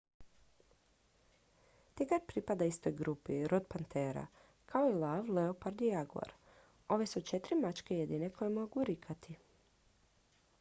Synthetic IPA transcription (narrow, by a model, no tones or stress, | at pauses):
t̪iɡaɾpɾipad̪aist̪ojɡɾupiɾod̪pant̪ʰeːɾa̰ | kʰaoilˠaʋleopaɾd̪ijaɡua̰ɾ | o̞ʋe̞sut͡ʃet̪ɾimat͡ʃkejed̪inekʰo̞jemo̞ɡuɾikʰat̪i